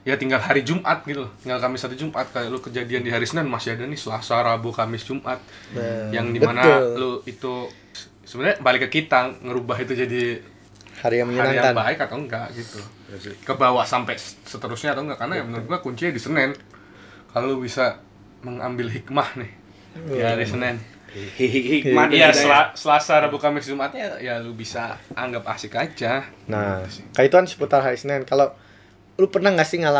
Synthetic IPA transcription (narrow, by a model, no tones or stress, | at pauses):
jat̪iŋɡalɦaɾid͡ʒumʔat̪̚ɡit̪ulʊt̪iŋɡalkamɪsːat̪ud͡ʒumʔat̪̚kalʊkəd͡ʒadiandiɦaɾisənɛnmasiadanɪsəlasaɾabukamɪsd͡ʒumʔat̪̚jaŋdimanaloit̪u | səbənaɾabalɪkːəkit̪aŋːəɾubaɦit̪ud͡ʒadi | haɾiahaɾijaŋbaɪkat̪aŋɡaʔɡit̪u | kəbawasampɛsət̪əɾʊsɲat̪aŋɡaʔkarnajamənəɾʊt̪̚ɡuakuɲt͡ʃiadisənɛn | kallubisa | məŋa̰mbɪlɦik̚mahnɪh | diɦaɾisənɛn | hɦikhik̚majadslasəlasaɾəbukamɛsizumat̪jajalubisaaŋɡap̚aksikad͡ʒanaskait̪uansə̥put̪arɦaɾisənɛnkalo | lupərnahŋɡaʔsɪŋala